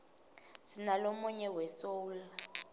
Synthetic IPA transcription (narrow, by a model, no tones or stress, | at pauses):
sinalomuɲɛwɛsola